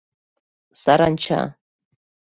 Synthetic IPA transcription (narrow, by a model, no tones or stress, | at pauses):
saɾant͡ʃʰa̰